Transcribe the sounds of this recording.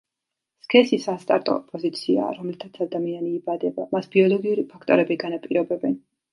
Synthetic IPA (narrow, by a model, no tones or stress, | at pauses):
skʰɛsisast̪ʼaɾt̪ʼɔ̰pʼɔzit̪sʰia̰ːɾɔmlɛt̪ʰat̪sʰad̪amianiːbad̪ɛba̰masb̥iɔlˠɔɡiuɾipʰakʰt̪ʼɔɾɛbiɡanapʼiɾɔbɛbɛn